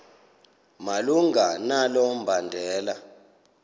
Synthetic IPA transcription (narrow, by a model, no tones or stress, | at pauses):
maluŋɡanalɔm̩bʱandʱɛːla